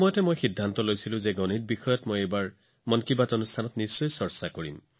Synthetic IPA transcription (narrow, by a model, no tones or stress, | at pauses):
mɔjɔtɛmojxidʱːantɔlojsilʊ̃zeɡɔnit̚bixɔjɔtmojejbaɹ | mɔnkibatonustʰanɔtnisːɔjsɔɹsakoɹḭm